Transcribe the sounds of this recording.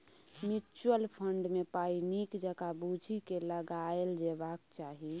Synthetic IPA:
mut͡ʃuwəlpʰəɳɖmepainikd͡ʒəɡabud͡ʒʱikeləɡaeld͡ʒebakt͡ʃaɦi

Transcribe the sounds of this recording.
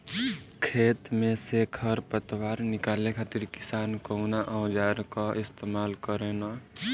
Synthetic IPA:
kʰeːt̪mẽsekʰəɾpət̪waːɾnɪkaːlekʰaːt̪ɪɾkɪ̥saːnkəunaʔə̃ʊd͡ʒaːɾkaɪst̪eːmaːlkəɾẽna

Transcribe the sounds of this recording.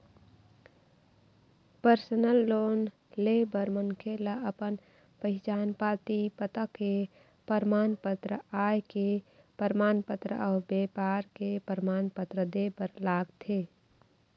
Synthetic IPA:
pəɾsənəlːoːn | leːbəɾmənkʰelaəpən | pəɦɪt͡ʃaːnpaːt̪ipət̪əke | pəɾmaːnpət̪ɾəaːjke | pəɾmaːnpət̪ɾə̰ʔɔːbeːpaːɾkepəɾmaːnpət̪ɾəd̪eːbəɾlaːɡt̪ʰeː

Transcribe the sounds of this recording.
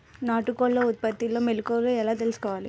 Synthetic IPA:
naːʈːɯkːoːlːɐʊt̪̚pɐt̪ːɪlːɐ̃mɛlɯkːolɐ̃ɛlːaːt̪ɛlskɐʋaːlḛ

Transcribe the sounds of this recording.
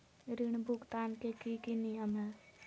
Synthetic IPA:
ɾiɳ̃bukt̪aːnkekikinijəmɦɛː

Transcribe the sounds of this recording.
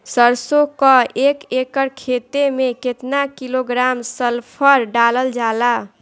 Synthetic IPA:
səɾsokəʔekekəɾkʰet̪emeket̪nakiloɡɾamsəlpʰəɾɖaləld͡ʒala

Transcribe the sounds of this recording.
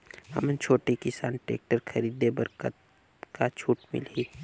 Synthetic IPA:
hɐ̰mənt͡ʃʰoːʈikɪsa̰ːnʈḛːk̚ʈəɾkʰəɾiːd̪ebəɾkət̪̚ | kat͡ʃʰuːʈmɪ̰liː

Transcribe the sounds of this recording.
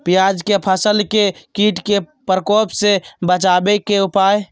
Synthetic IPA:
pijad͡ʒkepʰəsəlkekiʈke | pɾkoːpsebət͡ʃabekeupaj

